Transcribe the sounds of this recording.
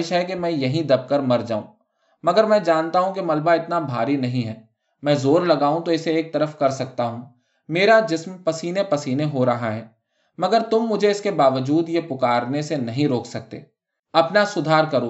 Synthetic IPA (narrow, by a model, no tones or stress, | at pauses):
ɪʃɦɛk̬emɛ̃ːjɐɦĩd̪ɐb̚kəɾmɐɾd͡ʒa̰ːṵ̃ː | mɐɡəɾmɛ̃ːd͡ʒaːnt̪aɦũk̬emɐlbaɪt̪nabʱa̰ːɾinɐɦĩɦɛː | mɛ̃ːzoːɾlɐɡaːũt̪oɪseeːk̚t̪ɐɾəfkɐɾsɐk̚t̪aɦũː | meːɾad͡ʒɪsmpɐsiːnepɐsiːneɦoɾɐɦaɦɛː | mɐɡəɾt̪ʊmːʊd͡ʒʱeɪskebaːʋəd͡ʒuːd̪jepʊkaːɾnesenɐɦĩɾoːksɐk̚t̪ḛː | ɐpnasʊd̪ʱaːɾkɐɾũː